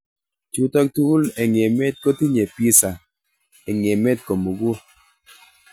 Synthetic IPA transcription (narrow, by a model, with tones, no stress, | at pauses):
t͡ʃu˦tɔ˦k̚tu˦u˦le˨ŋ˨e˨mɛ˦t̚ko˦ti˦ɲe˨pi˦sa˨ | e˨ŋ˨e˨mɛ˦t̚ko˨mo˨ɡu˦